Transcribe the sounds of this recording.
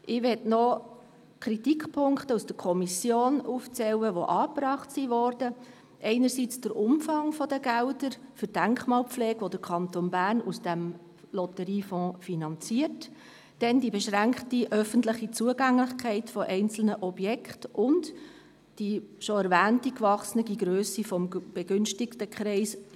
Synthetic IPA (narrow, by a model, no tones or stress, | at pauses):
ʔɪʋɛtnɔ | kʰɾitikpʰʊŋkχtəusd̥əɾkʰɔmisjoːnuːft͡sɛwəʋoʔɑːpɾɑːχtsiʋɔrd̥ə | ʔɛɪnəɾsit͡sd̥əɾʔʊmfɑŋfɔdəɡæʊdəɾfʏɾd̥æŋkχmɑːlp͡flɛːɡ̥ʋod̥əɾkʰɑntonbæːɾnusd̥æm | lɔtəɾiːfɔ̃ːfinɑnt͡siət | d̥ɛndibeʃɾæŋkχtiʔœfəntlɪχit͡suəɡæŋlɪχkʰɛɪtfɔʔɛɪnt͡sl̩nəʔɔbjɛkχtʔʊnd | d̥iʃɔæɾvæːntikvɑχsnəɡiɡɾøːsifɔmb̥eɡʏnʃtɪktəkʰχɾɛɪs